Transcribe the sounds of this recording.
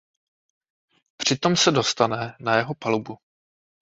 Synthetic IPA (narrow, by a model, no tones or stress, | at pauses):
pr̝̥ɪt̪o̞msɛdost̪anɛnajɛɦo̞palubu